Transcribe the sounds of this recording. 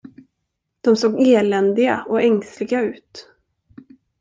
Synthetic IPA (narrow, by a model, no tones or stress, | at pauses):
d̪̥ɔmsoːɡeːlɛnd̪ɪɡa̰ɔɛŋst̪lɪɡaʉ̟ːt̪